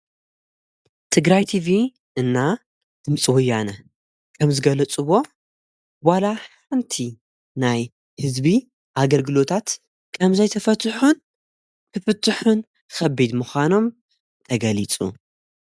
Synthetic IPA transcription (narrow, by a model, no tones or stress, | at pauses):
t̪ʰɨɡɾajt̪ʰivi | ɨnːa | d̪̥ɨmt͡sʼwɔjanɐ | kʰɐmzɨɡɐlɐt͡sʼɨβo̞ | walaħ | ɨnt̪ʰi | naj | hɨzbi | ʔaɡɐlɡɨlo̞t̪ʰat̪ | kʰɐmzɐjt̪ʰɐfɐt̪ʰħun | t̪ʰɨfɨt̪ʰːɨħun | xɐbid̪mɨxʷano̞m | t̪ʰɐɡɐlit͡sʼṵ